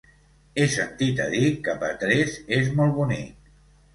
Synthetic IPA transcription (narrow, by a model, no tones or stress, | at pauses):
esːənt̪it̪ə̰ðikəpə̰t̪ɾɛzezmɔlˠβunik̚